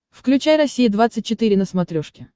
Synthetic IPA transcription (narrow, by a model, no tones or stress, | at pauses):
fklʲʉt͡ɕajrɐsʲijɪd̪vat̪sɨt̚ʲt͡ɕːɪt̪ɨɾʲɪnəsmɐt̪ɾʲoʂkʲɪ